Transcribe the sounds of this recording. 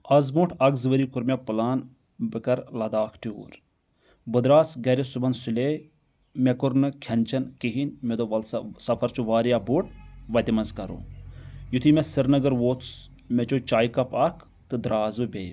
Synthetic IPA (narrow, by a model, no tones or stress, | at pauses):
ɐzmuʈʰɐɡzɨʋɐɾikuɾmʲepɨlaːn | bɨkɐɾlɐd̪aːkʰʈʰio̰ːɾ | bɨd̪ɾaːsɡɐɾesubɐnsuleː | mekuɾnɨkʲʰɐnt͡ʃɐnkiɦinmed̪oɐlsɐpʰɐɾt͡ʃʰuʋaːɾjaːbuʈ̚ʰʋɐt̪ʲimɐnzkɐɾo̰ːjut̪ʰimʲesɨɾnɐɡɐɾʋoːt̪s | met͡ʃoːt͡ʃaːjkɐpɐkʰ | t̪ɨd̪ɾaːzɨbʲeːj